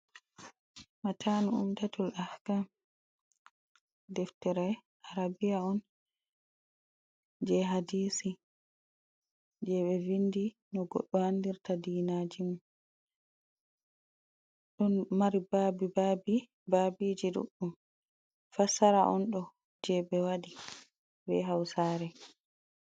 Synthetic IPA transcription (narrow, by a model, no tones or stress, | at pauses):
matʰanuṵmtatʰulʔahkam | dɛftɛɾɛ | ʔaɾabijaɔn | d͡ʒɛɦadiːsi | d͡ʒɛɓɛvindi | nɔɡɔ̰ɗːɔhandiɾtadiːnad͡ʒimum | ɗɔnmaɾibaːbibabi | babid͡ʒiɗṵɗːum | fasaɾaʔɔ̰nɗɔ | d͡ʒɛbɛwaɗi | bɛ̰ɦawsaːɾɛ